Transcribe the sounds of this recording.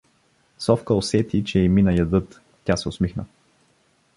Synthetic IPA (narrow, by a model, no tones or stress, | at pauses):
sɔfkəosɛt̪it͡ʃɛːminɐjɐd̪ɤt̪ | t̪ʲasɛʊsmixnə